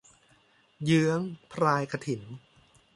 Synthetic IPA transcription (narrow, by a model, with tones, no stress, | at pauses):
jɯ˦˥əŋpʰɾaː˧jkʰa˧t̪ʰi˩˦n